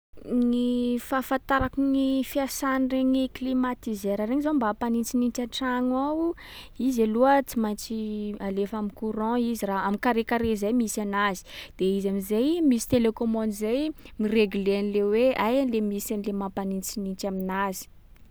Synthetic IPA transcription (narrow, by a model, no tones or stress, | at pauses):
nifafãnt̪aɾakuŋifiasanireɲiklimat̪izeɾaɾeɲizambapanint͡sinint͡ʃaʈ͡ʂaŋaw | izaluət͡simat͡sialefamikuɾɑ̃iziraamikaɾekaɾezejmisanazi̥d̪̥eizamizejmisi̥t̪elekomɔnizej | mireɡulenileweajanlemisanilemapanint͡sinint͡ʃaminazi̥